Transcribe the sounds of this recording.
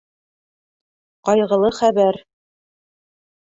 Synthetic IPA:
qɑjʁɤ̆lˠɤχæβæɾ

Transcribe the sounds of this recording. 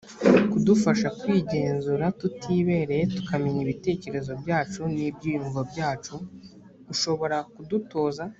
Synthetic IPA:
kudufaʃakwiːɟe̞ːnzuɾatutʰiːβe̞ːɾetu̥kʰamiɲiβite̞ːce̞ɾe̞zo̞bjaːt͡ʃunibɟiːjuɱvabɟaːt͡ʃu̥ | uʃo̞βo̞ɾakuduto̞ːza

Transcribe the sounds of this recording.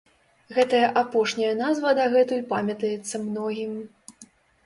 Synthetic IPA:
ɣɛt̪ɐjɐʔapɔʂnʲɐjɐnazvɐd̪ɐɣɛt̪ujpamʲɐt̪ɐjɛt̪sːɐmnɔɣʲim

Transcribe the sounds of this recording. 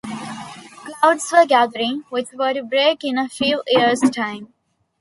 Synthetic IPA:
klaʊɖsʋəɾɡæd̪əɾɪ̃ŋʋɪt̪ʋəɾbɾeːkɪ̃nəfjuːʔiəɾsʈʰãɪ̃m

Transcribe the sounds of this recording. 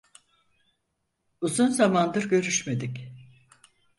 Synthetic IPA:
uzunzamand̪ɯɾɟø̞ɾyʃme̞d̪ic

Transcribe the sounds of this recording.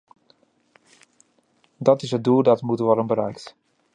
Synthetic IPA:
dɔtɪsət̚dulˠdɔtmutəʋɔɾəmbəɾœɥkt

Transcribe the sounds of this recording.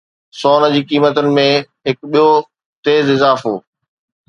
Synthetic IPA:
sɔːnə̆d͡ʑiːkiːmət̪ʊnɪ̆mẽɦɪkɓijo | t̪eːzɪzaːfoː

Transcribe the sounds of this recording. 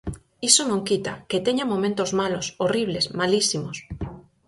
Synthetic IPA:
isonõŋkit̪aket̪eɲamomẽnt̪ozmalosoriβlesmalisimos

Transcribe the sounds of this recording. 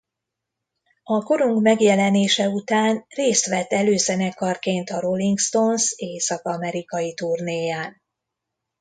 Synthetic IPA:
ɒko̞ɾuŋkmɛɡjɛlɛneːʃɛut̪aːnreːst̪ʋɛt̪ːɛløːzɛnɛkɒrkeːnt̪ɒɾo̞liŋkst̪o̞nseːsɒkɒmɛɾikɒjit̪urneːjaːn

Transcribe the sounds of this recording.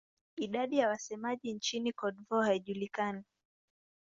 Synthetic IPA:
iɗaɗijawasɛmaʄint͡ʃinikɔɗvɔhaiʄulikana

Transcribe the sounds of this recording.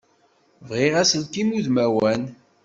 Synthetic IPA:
vʁiʁæsəlkimuðmæwæn

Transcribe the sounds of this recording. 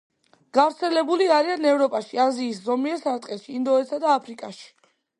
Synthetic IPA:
ɡ̥avɾt̪sʰɛlɛbuliaɾianɛvɾɔpʼaʃiaziːszɔmiɛɾsaɾt̪ʼqʼɛʃiːnd̪ɔɛt̪sad̪aːpʰɾikʼaʃi̥

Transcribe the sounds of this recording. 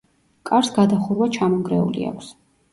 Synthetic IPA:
kʼaɾsɡad̪aχuɾwat͡ʃʰamɔŋɡɾɛṵlḭa̰kʷʰs

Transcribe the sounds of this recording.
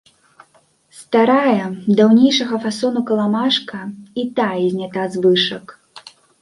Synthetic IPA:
st̪aɾajɐd̪awnʲejʂɐɣɐfasɔnukɐlˠamaʂkɐit̪aizʲnʲat̪azvɨʂɐk

